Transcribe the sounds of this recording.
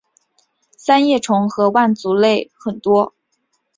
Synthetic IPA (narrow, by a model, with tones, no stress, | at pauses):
sa˥njɛ˥˩ʈ͡ʂʰʊ˧˥ŋxɤ˧˥wa˥˩nt͡su˧˥le˥˩ɪxə˨˩nt̪wɔ˥